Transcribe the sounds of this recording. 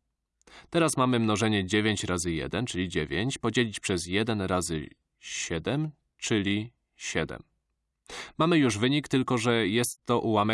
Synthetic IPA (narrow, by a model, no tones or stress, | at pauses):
t̪ɛɾasmamɘmnɔʐɛɲɛd͡ʑevʲjeɲt͡ɕɾazɘjɛ̰d̪ɛnt͡ʂɘlʲid͡ʑevʲjeɲt͡ɕpɔd͡ʑelʲit͡ɕpʂɛzjɛd̪ɛnɾazɘ̰ | ɕɛd̪ɛm | t͡ʂɘlʲi | ɕɛd̪ɛ̰m | mamɘjuʐvɘɲikt̪ɘlkɔʐɛjɛst̪ːɔʔuwamɛ